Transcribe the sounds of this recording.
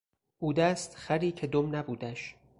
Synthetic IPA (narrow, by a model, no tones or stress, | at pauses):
ʔuːd̪æst̪χæɾiːcʰed̪omnæbuːd̪æʃ